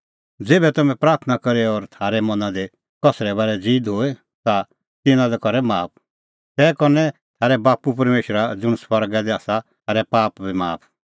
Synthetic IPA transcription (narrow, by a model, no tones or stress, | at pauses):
d͡zeːbɛt̪ɐmɛ̃pɾaːɾt̪ʰnakɐɾeɔɾt̪ʰaːɾɛmɐnad̪e | kɔsɾɛbaːɾɛd͡ziːd̪ɦoːe | t̪a | t̪ɪnãd̪ɛkɔɾɛmaːp̚ʰ | t̪ɛːkɔɾnɛ | t̪ʰaːɾɛbaːpup̬ɐɾmeːʃɾad͡zʊɽ̃swɐɾɡad̪iaːsaaːɾɛpaːpbimaːpʰ